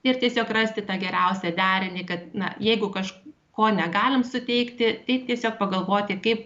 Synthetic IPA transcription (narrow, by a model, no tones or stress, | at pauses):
ɪrt̪ʲiɛsʲoːkrɐsʲt̪ʲɪt̪ɑːɡʲɛɾʲɛʊsʲɛd̪ʲæːɾʲɪnʲiːkɐt̪nɐ̰jɛɪɡʊkɐʃ | koːnʲɛɡɑːlʲɪmsʊt̪ʲɛɪkt̪ʲɪt̪ɐɪpt̪ʲiɛsʲoːk̚pɐɡɐlˠʋoːt̪ʲɪkɐɪp̚